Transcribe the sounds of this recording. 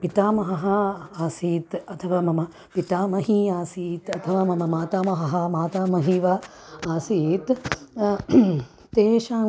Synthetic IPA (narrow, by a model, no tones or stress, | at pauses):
pit̪aːmɐɦɐɦɐaːsiːt̪ɐt̪ʰɐʋaːmɐmɐ | pit̪aːmɐɦiaːsiːt̪ɐt̪ʰɐʋaːmɐmɐmaːt̪aːmɐɦɐɦɐmaːt̪aːmɐɦiːʋɐ | aːsiːt̪ | t̪eːʃãː